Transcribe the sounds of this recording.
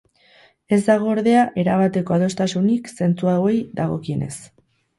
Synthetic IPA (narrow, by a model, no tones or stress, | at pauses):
e̞zd̪aɣ̞o̞ːɾðe̞aʔe̞ɾaβ̞at̪e̞ko̞að̞o̞st̪asunikse̞nt͡suawejd̪aɣo̞̰kie̞ne̞̰s